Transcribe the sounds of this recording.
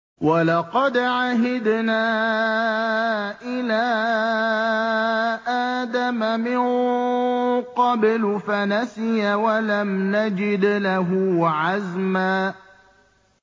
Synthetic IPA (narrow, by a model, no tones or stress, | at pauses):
wɑlɑqɑd̪ʕaɦɪd̪naː | ʔɪlaː | ʔaːd̪amamɪn | qɑblʊfanasɪjawalamnad͡ʒɪd̪laɦʊʕazmaː